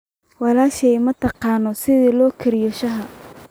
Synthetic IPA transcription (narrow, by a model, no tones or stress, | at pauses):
wɑlaːʃɛjmɐt̪ʰɑqɑːnɔsɪðiːlɔːkʰɛɾɪjɔʃɐɦɐ